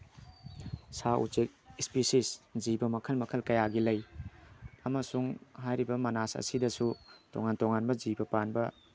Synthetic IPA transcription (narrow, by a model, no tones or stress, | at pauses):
saʔṵt͡ʃek̚ispisiszibɐmɐkʰɐlmɐkʰɐlkɐjaɡilɐj | ɐmɐsuŋɦajɾibɐmɐnasɐ̰sidɐsutoŋantoŋanbɐzibɐpanbɐ